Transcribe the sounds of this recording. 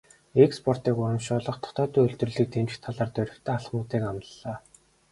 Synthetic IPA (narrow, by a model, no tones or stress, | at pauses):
ekspʰɔr̥t̪iːkʊɾə̆mʃʊːɮɞ̆χt̪ʰɔ̥t̪ɔːt̪uːɵɮt̪rɵ̆ɮiːk̚t̪emt͡ɕkt̪ʰaɮaːrt̪œɾʲɪ̆kt̪ʰœːaɮχmʊːt̪iːkamt̪əɮaː